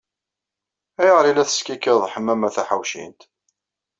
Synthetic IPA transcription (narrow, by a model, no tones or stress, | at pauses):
æjəʁɾilæθə̥skækːəɾðˤħəmːæmæθæħawʃḭnt̪